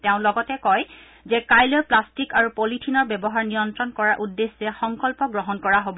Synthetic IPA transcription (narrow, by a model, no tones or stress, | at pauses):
tɛʊ̃lɔɡɔtɛkɔj | zɛkajlɔjplastikaɹupolitʰinɔɹbɛbɔɦaɹnijɔntɹɔnkɔɹaʔudːesːɛxɔŋkɔlpɔɡɹɔɦɔnkɔɹaɦob